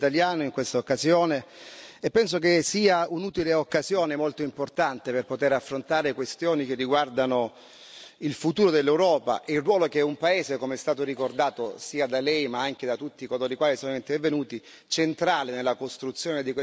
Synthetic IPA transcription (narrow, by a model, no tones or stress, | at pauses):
t̪aljaːnoiŋkwest̪aokːazjoːneepːɛns̬ok̬esiːaunuːt̪ileokːazjoːnemolt̪oimport̪ant̪eperpot̪eɾafːɾont̪aːɾekwest̪joːnik̟erːiɡward̪ano | ilfut̪uːɾod̪elːewɾɔːpa̰ʔɛilrwɔːlokeɛumpaeːzekomeɛst̪aːt̪oɾikord̪aːt̪o̰siːad̪alɛjmaaŋk̟ed̪at̪ut̪ːiːkoloːɾikwaːlisɔːnoint̪ervenuːt̪i | t͡ʃent̪ɾaːlenelːakost̪ɾut̪sːjoːned̪ikwe